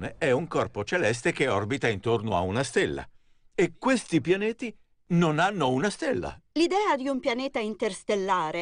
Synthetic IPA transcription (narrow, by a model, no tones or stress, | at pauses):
neɛuŋkɔrpot͡ʃelɛs̬t̪ekeɔrbit̪aint̪ornoa̰unast̪ɛlːa̰ | ekːwest̪ipjanɛːt̪i | nonanːounast̪elːa̰lid̪ɛːad̪iumpjanɛːt̪aint̪erst̪elːaːɾe